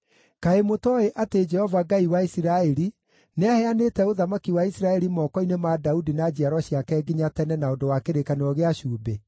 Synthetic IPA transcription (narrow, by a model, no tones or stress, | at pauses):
kaemotɔeʔated͡ʒɛhɔvaɡaiwaisiɾaɛɾi | neahɛanetɛoðamakiwaisiɾaɛɾimɔkɔinemadaudinad͡ʑiaɾwɔɕjakɛɡiɲatɛnɛnaondowakeɾekaneɾɔɣeaʃuːbe